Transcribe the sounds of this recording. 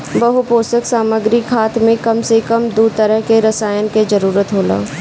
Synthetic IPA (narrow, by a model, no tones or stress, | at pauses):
bɐɦupoːsəksaːməɡɾɪkʰaːt̪mẽkɐmsekəmd̪ut̪əɾəɦkeɾɐsaːjənked͡ʒəɾuːɾət̪ɦoːla̰ː